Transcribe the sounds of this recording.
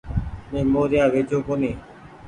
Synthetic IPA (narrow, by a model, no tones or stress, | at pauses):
meːmoːɾɪjaːʋeːd͡ʒoːkoːniː